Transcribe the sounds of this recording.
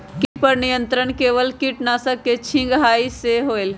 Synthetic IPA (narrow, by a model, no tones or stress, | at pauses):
kipəɾnijə̃nt̪ɾəɳkeːʋəlkɪʈnasəkːet͡ʃʰɪ̃ŋɡɦaːiseɦoːel